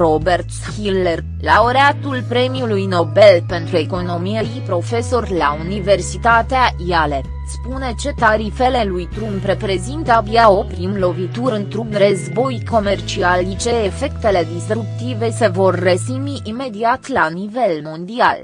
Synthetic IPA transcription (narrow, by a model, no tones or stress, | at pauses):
ɾobe̞rt̪ | hiler | laoɾeat̪ulpɾe̞miulujno̞be̞lpe̞nt̪ɾue̞ko̞no̞mijeipɾo̞fe̞so̞rʲlaunive̞rsit̪at̪eaiale̞ | spune̞t͡ʃe̞t̪aɾife̞le̞lujt̪ɾumpɾe̞pɾe̞zint̪əəbiao̞pɾimlo̞vit̪uɾɨnt̪ɾunɾəzbo̞jko̞me̞rt͡ʃialit͡ʃe̞ːfe̞kt̪e̞le̞d̪isɾukt̪ive̞se̞vo̞rːesimiʔime̞d̪iat̪lanive̞lmo̞nd̪ia̰l